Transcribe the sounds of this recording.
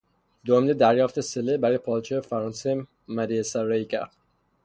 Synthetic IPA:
d̪omd̪ed̪æɾjɒːft̪eselebæɾjepʰɒːlt͡ʃʰeefæɾɒːnse | mæɾiesæɾeicʰæ̰ɾd̪̥

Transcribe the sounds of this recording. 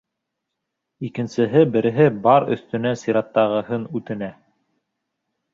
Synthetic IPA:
ikɘ̆nsɘ̆ɦɘbɘ̆ɾɘ̆ɦɘbɑɾɵ̰̆θt̪ɵ̆næsiɾɑt̪ːɑʁɤ̆ɦɤnʉt̪ɘ̆næ

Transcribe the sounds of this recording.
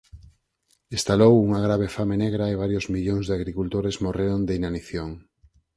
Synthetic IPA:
ist̪alowuŋaɣɾaβ̞efameneɣɾaeβ̞aɾjozmiʎoŋzðeaɣɾikult̪oɾezmoreɾond̪einaniθjoŋ

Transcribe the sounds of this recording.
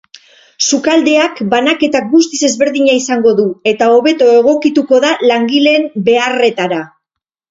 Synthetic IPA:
sukald̪e̞akbanake̞t̪ak̚ɡust̪ise̞zβe̞ɾðiɲaisaŋɡo̞ðue̞t̪ao̞βe̞t̪o̞e̞ɣo̞kit̪uko̞ðalaŋɡile̞mbe̞are̞t̪aɾa

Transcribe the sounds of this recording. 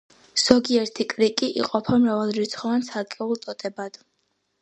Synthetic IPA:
z̥ɔɡiɛɾt̪ʰikʼɾikʼiʔḭqʼɔpʰamɾavalˠɾit̪sʰχɔvant̪sʰaɾkʼɛulˠt̪ʼɔt̪ʼɛbad̪̥

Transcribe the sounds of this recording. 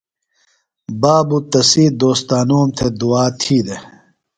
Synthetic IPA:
baːbut̪ɐsiːd̪oːst̪aːnuːmt̪ʰed̪uaːt̪ʰiːd̪e

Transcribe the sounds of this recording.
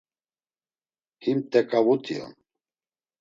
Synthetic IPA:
himt̪ʼɛkʼavut̪ʰʼiɔ̰n

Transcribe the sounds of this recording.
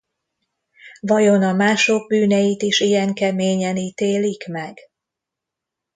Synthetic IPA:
vɒjo̞nɒmaːʃoɡ̚byːnɛjit̪iʃijɛŋkɛmeːɲɛniːt̪eːlikmɛɡ̥

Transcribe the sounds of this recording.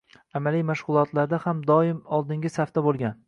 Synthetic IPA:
amalijmaʃʁʊlˠɒt̪laɾd̪ahamd̪ɒɪmɒlˠd̪ɪŋɡʲɪsaft̪abolˠɡʲan

